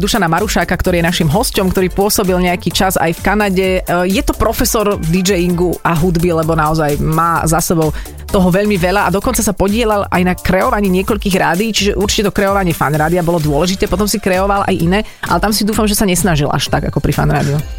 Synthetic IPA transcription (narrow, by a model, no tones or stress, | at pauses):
d̪uʃanamaɾuʃaːkakt̪ɔɾiːjɛnaʃimɦɔscɔmkt̪ɔɾiːpʊɔsɔbilɲɛakiːt͡ʃaza̰jfkanaɟɛjɛt̪ɔpɾɔfɛsɔɾvd̪id͡ʒɛjiŋɡuʔaɦud̪bilɛbɔnaɔzajmaːzasɛbɔʊ | t̪ɔɦɔʋɛʎmiʋɛʎaʔad̪ɔkɔnt͡sasapɔɟɪɛʎalʔa̰jnakɾɛɔʋaɲiːɲɪɛkɔʎkiːɣɾaːd̪iːt͡ʃiʒɛʔuɾt͡ʃi̥cɛt̪ɔkɾɛɔʋaɲɪɛfa̰nɾaːd̪iabɔlɔd̪ʊɔlɛʒit̪ɛːpɔt̪ɔmsikɾɛɔʋalʔa̰jʔinɛːʔa̰lɛt̪amsid̪uːfamʒɛsaɲɛsnaʒilʔa̰ʃt̪aɡa̰kɔpɾifa̰nɾaːd̪iu